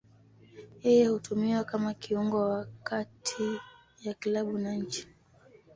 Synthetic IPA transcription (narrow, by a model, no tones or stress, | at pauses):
jɛjɛhutʰumiwakamakiuŋɡɔwakatʰi | jakilaɓunaɲ̩t͡ʃi̥